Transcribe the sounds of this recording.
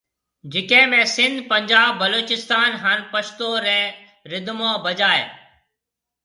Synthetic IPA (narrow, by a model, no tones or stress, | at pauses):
d͡ʒɪkẽːmẽːsɪ̃nd̪pə̃ɲd͡ʒaːbːəloːt͡ʃɪst̪aːnɦanpəʃt̪oːɾɛː | ɾɪd̪mõːbəd͡ʒaːḛː